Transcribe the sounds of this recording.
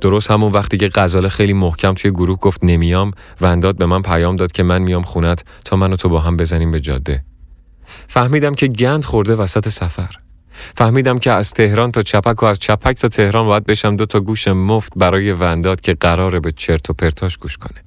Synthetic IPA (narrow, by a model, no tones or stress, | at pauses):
d̪̥o̞ɾost̪hæmunvæχt̪iːce̞ɢæzɒːlexejliːmohcʰæmt̪ʰujeɡoɾuːhɡoft̪ne̞mijɒːmvænd̪ɒːd̪̚be̞mænpʰæjɒːmd̪ɒːd̪̚cʰe̞mænmijɒːmχunæt̪ | t̪ʰɒːmænot̪ʰobɒːɦæmbe̞zæniːmbe̞d͡ʒɒ̰d̪ːe̞ | fæhmiːd̪æmcʰe̞ɟænd̪̥χo̞ɾd̪e̞væsæt̪ʰe̞sæfæɾ | fæhmiːd̪æmcʰeæz̥t̪ʰe̞hɾɒːnt̪ʰɒːt͡ʃʰæpʰækʰoæzt͡ʃʰæpʰæct̪ʰɒːt̪ʰe̞hɾɒːnbɒːjæd̪̚be̞ʃæmd̪o̞t̪ʰɒːɡuːʃemoft̪̚bæɾɒːje̞vænd̪ɒːd̪̥cʰe̞ɢæɾɒːɾebet͡ʃʰe̞ɾt̪ʰopʰe̞ɾt̪ʰɒːʃɡ̥uːʃkʰone̥